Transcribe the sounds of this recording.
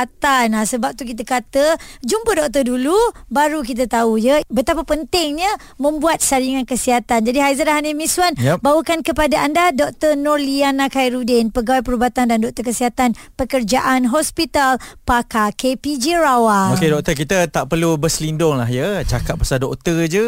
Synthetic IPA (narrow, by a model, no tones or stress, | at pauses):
at̪anasəbap̚t̪uk̬it̪̬əkat̪əd͡ʒumpədɔk̚t̪ədulubaɾukit̪ət̪aujəbət̪apapənt̪ɪŋɲã | mə̃mbuat̪̚saɾiŋankəsiɦat̪and͡ʒadiɦajzaɾaɦanimĩswanjbawəkankəpadaʔandadɔk̚t̪ənɔrlianãkajɾudɛnpəɡawajpəɾubat̪andandɔk̚t̪əkəsiɦat̪an | pəkərd͡ʒaʔanɦɔspit̪alpakakepid͡ʒiɾawaokedɔk̚t̪ərkit̪ət̪aʔpərlubəsəlindʊŋlaɦjət͡ʃakat̪̚pasadɔkt̪ərd͡ʒə